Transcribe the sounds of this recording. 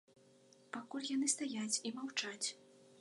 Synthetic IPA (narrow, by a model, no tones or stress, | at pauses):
pakulʲjanɨst̪ajat͡sʲimawt͡ʂat͡sʲ